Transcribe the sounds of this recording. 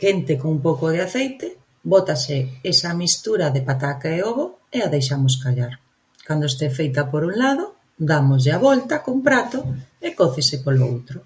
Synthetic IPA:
kent̪ɪkoŋumpowkoð̞eaθejt̪ɪ | bot̪asɪesɐmist̪uɾaðepat̪akaeoβoeaðejʃamoskaʎaɾ | kand̪oest̪efejt̪ɐpoɾuŋlaðo | d̪amʊzʎeaβɔlt̪ɐkompɾat̪oekoθesɪpolo̰wt̪ɾʊ

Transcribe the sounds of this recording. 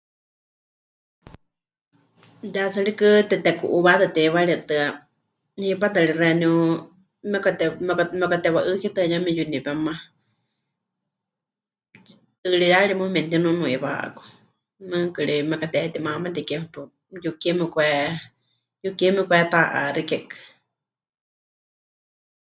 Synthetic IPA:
d͡ʒat͡sɨɺikɨt̪ɛt̪ɛkuʔuβat̪ɨt̪ɛβaɺit̪ɨa | hipat̪ɨɺirɛniu | mɛkat̪ɛmɛkamɛkat̪ɛwaʔɨkit̪ɨajamɛjunipɛmã | t̪ɨɺijaɺimumɛnt̪inunũiβa̰ʔa̰ku̥ | mɨ̃kɨɺimɛkat̪ɛt̪imamat̪ikɛmɛpu | jukimɛkʷɛ | jukimɛkʷɛt̪aʔa̰ɾikɛkɨ̥

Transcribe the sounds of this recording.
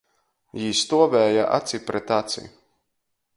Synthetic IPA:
jiːst̪uɔvɛːjaʔa̰t̪sipɾɛt̪at̪sḭ

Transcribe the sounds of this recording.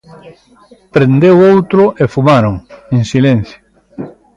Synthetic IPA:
pɾend̪ewowt̪ɾʊʔefumaɾoŋeŋsilen̟θjo

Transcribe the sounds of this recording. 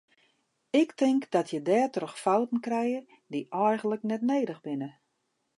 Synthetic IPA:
ɪktʰɪŋkd̥ɔtʰjədɛːrtrəxfawtən̩krɛjər | diʔɛjχən̩ləknɛtneːdəɣbɪnə

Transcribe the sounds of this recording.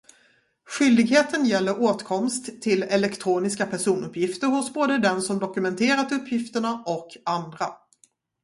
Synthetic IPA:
ɧʏld̪ɪɡɦeːt̪ʰənjɛlːəɾoːt̪kʰɔmst̪ʰːɪlɛlɛkt̪ʰɾuːnɪskapʰæʂuːnɵpːjɪft̪əɾhʊsboːd̪əd̪ɛnsɔmd̪ɔkɵmɛnt̪ʰeːɾat̪ɵpʰːjɪft̪əɳaʔɔkʰand̪ɾa

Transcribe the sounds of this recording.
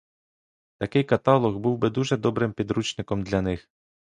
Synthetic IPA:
t̪ɐkɪjkɐt̪ɑlˠɔɣbuwbɪd̪uʒɛd̪ɔbɾɪmpʲid̪ɾut͡ʃnɪkɔmd̪lʲɐnɪx

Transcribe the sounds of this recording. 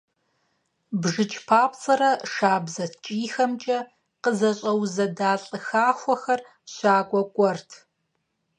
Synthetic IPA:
bʒɨt͡ʃʰpʰaːpt͡sʼɐɾɐʂaːbzɐtt͡ʃʼiːxɐmt͡ʃʼɐ | qəzɐɕʼɐwzɐdaːɬʼɨxaːxʷɔxɐr | ɕaːkʷʼɔkʷʼɔrtʰ

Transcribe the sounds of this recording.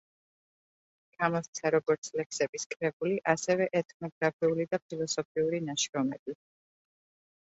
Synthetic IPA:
ɡ̥amɔst̪sʰaɾɔɡɔɾt̪sʰlɛkʰsɛbiskʼɾɛbuliʔasɛvɛʔɛt̪ʼʰnɔɡɾapʰiulid̪ap̚ʰilˠɔsɔpʰiuɾinaʃɾɔmɛbi

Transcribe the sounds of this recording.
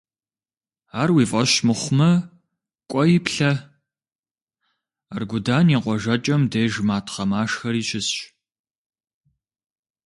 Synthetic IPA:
aːrwiːfʼɐɕmɨχʷmɐ | kʷʼɔjɪpɬɐ | a̰rɡʷʊdaːniːqʷʼɔʒɐt͡ʃʼɐmdeːʒmaːtʰχɐmaːʂxɐɾiːɕɪsɕ

